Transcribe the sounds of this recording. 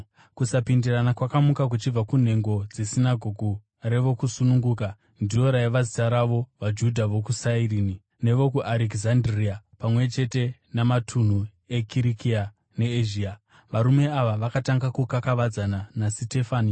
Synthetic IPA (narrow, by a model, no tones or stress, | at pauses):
kusapindiranakwakamukak̬ut͡ʃib͡vakun̤e̞ŋɡo̞d͡ze̞sinaɡʱo̞ɡʱu | re̞ʋo̞kusunuŋɡuːka | ndio̞ɾaiʋazitaɾaʋo̞ʋad͡ʒudʱaʋo̞kusairiːni | ne̞ʋo̞kuʔaɾekzandriapamwe̞t͡ʃe̞te̞ | namatʰun̤u | e̞kiɾikia | ne̞eʒiːa | ʋaɾume̞aʋaʋakataŋɡakukakaʋad͡zananasite̞faːni